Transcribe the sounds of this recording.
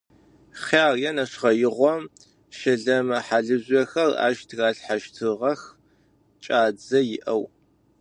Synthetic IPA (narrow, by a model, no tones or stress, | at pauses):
χaːrjɛnɐʂʁɐjɪʁʷɔm | ʃɐɮɐmɐħaɮɨʑʷɐxɐra̰ːʒtʰɣaːɬħaʃtʰɨʁɐx | t͡ʃʼaːd͡zɐjɪʔɐw